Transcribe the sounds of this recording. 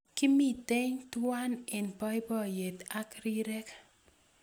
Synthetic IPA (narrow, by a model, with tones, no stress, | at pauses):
kɪ˦mi˦˨t̪e˦ɲt̪wa˦ne˨npɔ˦jbɔ˦je˨t̪a˦kɾi˦ɾɛ˦k